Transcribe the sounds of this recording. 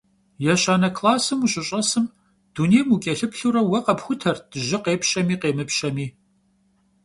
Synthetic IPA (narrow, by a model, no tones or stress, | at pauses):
jɛɕaːnɐkʰlaːsɨmuːɕʼɪɕʼɐsɨm | d̥uneːjmukʲʼɛɬɨpʰɬuːɾɐwɐqɐpxʷʊtʰɐrd̥ɨʒɪqeːpɕɐmiːqeːmɨpɕɐmiː